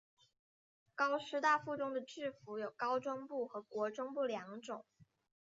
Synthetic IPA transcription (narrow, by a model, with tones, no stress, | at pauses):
kɑ˥ʊʂɻ̩˥t̪a˥˧fu˥˩ʈ͡ʂʊ˥ŋd̪ə˨ʈ͡ʂɻ̩˥˩fu˧˥jo˨˩ʊkɑ˥ʊʈ͡ʂwʊ˥ŋpu˥˩xɤ˧˥kwɔ˧˥ʈ͡ʂʊ˥ŋpu˥˩ljɑ˧˥ŋʈ͡ʂʊ˨˩˦ŋ